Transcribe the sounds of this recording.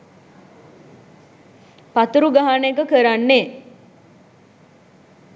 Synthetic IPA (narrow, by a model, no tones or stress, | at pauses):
pat̪uɾuɡaɦanəekəkəɾanːe